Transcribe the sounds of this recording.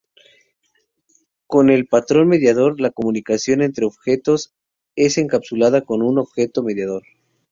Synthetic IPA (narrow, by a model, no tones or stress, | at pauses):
ko̞ne̞lpat̪ɾo̞nme̞ðjaðo̞ɾlako̞mũnikasjo̞ne̞nt̪ɾeoβxe̞t̪o̞s | e̞se̞ŋkapsulaðako̞nuno̞βxe̞t̪o̞me̞ðjað̞o̞ɾ